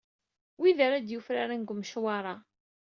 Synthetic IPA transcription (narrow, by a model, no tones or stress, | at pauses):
wiðaɾad̪jufɾaɾanɡʷəmːʃwaɾˤɑ